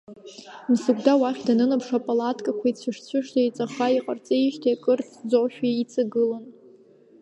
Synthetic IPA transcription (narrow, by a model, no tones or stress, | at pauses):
msɨɡʷʰʼdawaχʲdanɨnɨpʰʂapʼalatʰkʼakʷʰait͡sʷʰɨʂt͡ɕʷʰʊʂtʰajt͡sʼaχaiqʼart͡sʼeʃtʰaakʼɨrt͡sʰd͡zoʃᶣait͡sʼaɡɨlan